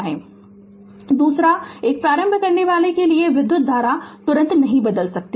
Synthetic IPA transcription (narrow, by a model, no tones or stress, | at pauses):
ɦɛ̃ː | d̪uːsɾaeːk̚pɾaːɾə̃mbʱəkɐɾneʋaːlekelieʋɪd̪jʊt̪̚d̪ʱaːɾat̪ʊɾə̃nt̪nɐɦĩbɐd̪əlsɐk̚t̪e